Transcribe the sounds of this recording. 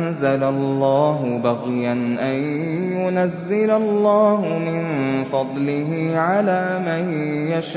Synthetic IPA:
nzalalːaːɦʊbaɣɪjanʔaj | jʊnazːɪlalˤːɑːɦʊmɪnfɑd̪ˤlɪɦɪʕalaːmanjaʃ

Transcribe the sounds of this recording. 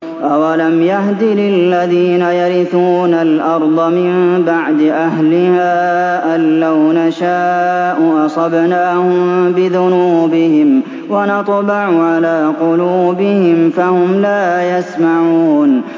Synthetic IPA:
ʔawalamjahd̪ɪlɪlːaðiːnajaɾɪθuːnalʔɑɾˤd̪ˤɑmɪmbaʕd̪ɪʔahlɪhaː | ʔaːawnaʃaːʔʊʔɑsˤɑbnaːhʊmbɪðʊnuːbɪhɪm | wanɑt̪ˤbɑʕʊʕalaːqʊluːbɪhɪmfahʊmlaːjasmaʕuːn

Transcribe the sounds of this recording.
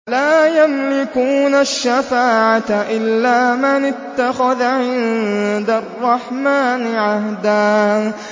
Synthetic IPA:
laːjamlɪkuːnaʃːafaːʕat̪ʔɪlːaːmɪnɪt̪ːaxaðʕɪnd̪arˤːɑħmaːnɪʕahd̪aː

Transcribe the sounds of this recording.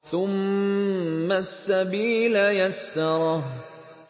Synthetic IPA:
θʊmː | asːabiːlajasːɑɾˤɑɦ

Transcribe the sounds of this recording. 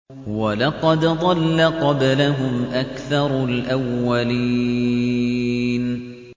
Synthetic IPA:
walɑqɑd̪d̪ˤɑlːaqɑblaɦʊmʔakθɑɾˤlʔawːaliː | n

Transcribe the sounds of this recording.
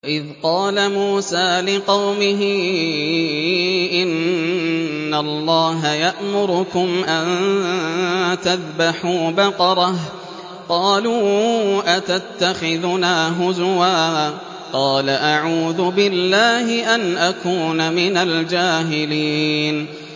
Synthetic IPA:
waʔɪðqɑːlamuːsaːlɪqɑwmɪɦɪ | ʔɪnː | alˤːɑːɦajaʔmʊɾʊkʊmʔan | t̪aðbaħuːbɑqɑɾˤɑh | qɑːluːʔat̪at̪ːaxɪðʊnaːɦʊzʊwaː | qɑːlaʔaʕuːðʊbɪlːaːɦɪʔanʔakuːnamɪnald͡ʒaːɦɪliːn

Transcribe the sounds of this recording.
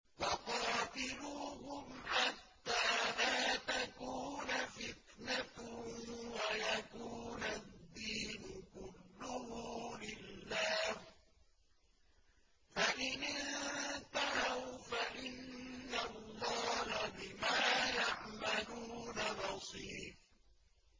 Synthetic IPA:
wɑqɑːt̪ɪluːhʊmħat̪ːaːlaːt̪akuːnfɪt̪nat̪ | wajakuːnad̪ːiːnʊkʊlːʊhuːlɪlːaːh | faʔɪnɪnnt̪aɾawfaʔɪnːalːɑːhabɪmaːjaʕmaluːnabɑsˤiːf

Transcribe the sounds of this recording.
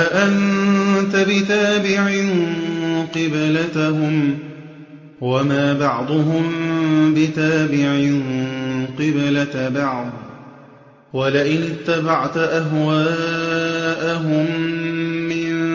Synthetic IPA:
aʔant̪abɪt̪aːbɪʕɪnqɨblat̪aɦʊm | wamaːbɑʕd̪ˤʊɦʊmbɪt̪aːbɪʕɪnqɨblabɑʕd̪ˤ | walɪʔɪnɪt̪ːabɑʕt̪aʔaɦwaː | ʔaɦʊmː | ɪn

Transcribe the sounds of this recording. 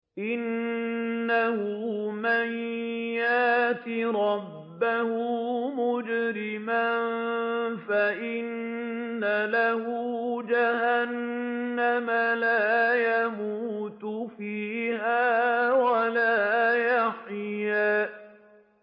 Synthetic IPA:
ʔɪnː | ahʊmanjaːt̪iɾˤɑbːahʊmʊd͡ʒɾɪman | faʔɪnː | alahʊd͡ʒahanː | amalaːjamuːt̪ʊfiːhaːwalaːjaħjaː

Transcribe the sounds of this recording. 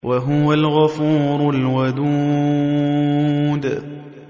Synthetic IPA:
wʔaɦʊwalɣafuːɾʊlwad̪uː | d̪

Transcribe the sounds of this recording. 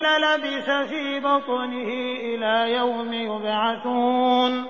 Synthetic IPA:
lalabɪsafiːbɑt̪ˤʊnɪhɪʔɪlaːjawmɪjʊbʕaθuːn

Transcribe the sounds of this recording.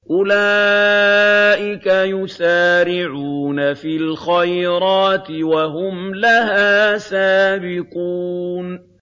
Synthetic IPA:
ʔʊla | ʔɪkajʊsaːɾɪʕuːnafiːlxajɾɑːt̪ɪwaɦʊmlaɦaːsaːbɪquːn

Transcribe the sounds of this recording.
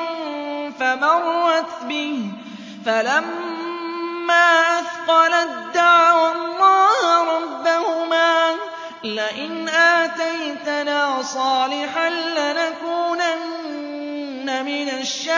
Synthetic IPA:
famɑrˤːɑt̪bɪ | falam | aːʔaθqɑlad̪ːaʕawɑlːɑːhɾˤɑbːahʊmaː | lɪʔɪnʔaːt̪ajjt̪anaːsˤɑːlɪħanlɪnakuːnan | amɪnaʃːa

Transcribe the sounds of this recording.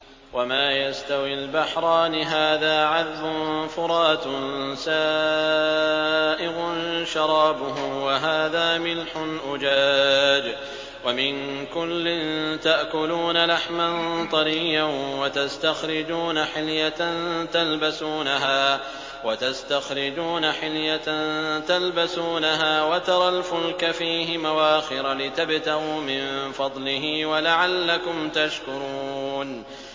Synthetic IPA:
wamaːjast̪awɪlbaħɾˤɑːnɪɦaːðaːʕaðbʊnfʊɾˤɑːt̪nsaː | ʔɪɣʊnʃɑɾˤɑːbʊɦʊmwaɦaːðaːmɪlħʊnʔʊd͡ʒaːd͡ʒ | wamɪnkʊlːɪnt̪aʔkʊluːnalaħmant̪ˤɑɾɪjːanwat̪ast̪axɾɪd͡ʒuːnaħɪljaant̪albasuːnaɦaː | wat̪ast̪axɾɪd͡ʒuːnaħɪljaant̪albasuːnaɦaːwat̪ɑɾˤɑlfʊlkafiːɦɪmawaːxɪɾalɪt̪abt̪aʔuːmɪnfɑd̪ˤlɪɦɪwalaʕalːakʊmt̪aʃkʊɾˤuuːn

